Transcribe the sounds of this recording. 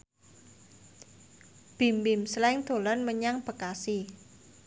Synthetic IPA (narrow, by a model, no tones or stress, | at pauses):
b̥i̤mbɪmslɛŋd̪̥o̤lanməɲaŋb̥ə̤kasi